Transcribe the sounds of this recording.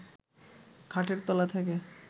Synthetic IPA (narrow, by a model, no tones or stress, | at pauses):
kʰaʈeɾt̪ɔlat̪ʰɛke